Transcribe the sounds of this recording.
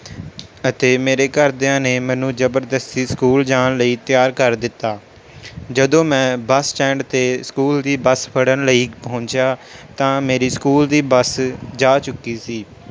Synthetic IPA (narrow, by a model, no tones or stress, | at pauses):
ət̪eːmeːɾeːkəɾd̪ãːneːmɛ̃ːnũːzəbəɾd̪əst̪iːskuːld͡ʒaːnləiːt̪ɪjaːɾkəɾd̪ɪt̪ːaː | d͡ʒəd̪õːmɛ̃ːbəsʈɛ̃ːɳɖt̪eːskuːld̪iːbəspʰəɽənləiːpəʊ̃ɲt͡ʃjaːt̪ãːmeːɾiːskuːld̪iːbəsd͡ʒaːt͡ʃʊkːiːsiː